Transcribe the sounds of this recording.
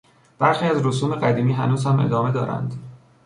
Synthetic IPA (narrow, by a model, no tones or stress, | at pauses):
b̥æɾxiːæzɾosuːme̞ɢæd̪iːmiːɦænuːzhæmʔe̞̰d̪ɒːme̞d̪ɒːɾæ̰nd̪